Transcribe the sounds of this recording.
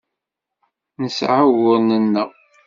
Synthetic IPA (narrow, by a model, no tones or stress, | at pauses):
nəsʕawʊɾnənːəʁ